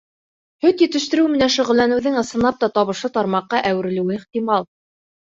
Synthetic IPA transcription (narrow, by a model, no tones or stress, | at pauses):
hɵt̪jɘ̆t̪ɘ̆ʃt̪ɘ̆ɾɘwmɘ̆nænʃŏʁɘ̆lːænɘ̆wðɘŋɤ̆sɤ̆nɑp̚t̪ɑt̪ɒβɤ̆ʃɤt̪ɑɾmɑqːɑʔæwɘ̆ɾɘ̆lɘ̆wɘiχt̪imɑlˠ